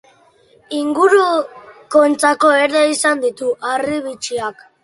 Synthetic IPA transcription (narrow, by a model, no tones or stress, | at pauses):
iŋɡuɾuko̞nt͡sako̞e̞ɾðeisand̪it̪uʔariβ̞it͡ʃiak